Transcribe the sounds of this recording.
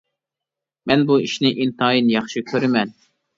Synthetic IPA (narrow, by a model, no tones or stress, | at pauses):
mɛnbuiʃnɪʔint̪ʰɑːjinjɑχʃɨkʲʰøɾɪmɛn